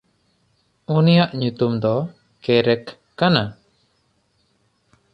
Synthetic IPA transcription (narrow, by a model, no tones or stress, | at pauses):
unijaʔɲut̪umd̪ɔ | kɛɾɛkː | ana